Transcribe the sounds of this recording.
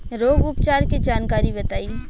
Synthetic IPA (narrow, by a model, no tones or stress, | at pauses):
ɾoːɡʊpt͡ʃaːɾkid͡ʒaːnkaːɾibɐt̪aːi